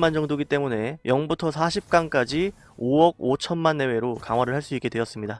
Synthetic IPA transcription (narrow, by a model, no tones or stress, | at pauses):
mand͡ʑʌŋdoɡit͈e̞mune̞jʌŋbutʰʌsʰaɕʰip̚k͈ank͈ad͡ʑi | owʌɡ̚ot͡ɕʰʌnmanːe̞we̞ɾokaŋɦwaɾɯɭɦaɭs͈uik͈e̞dwe̞ʌs͈ɯmɲida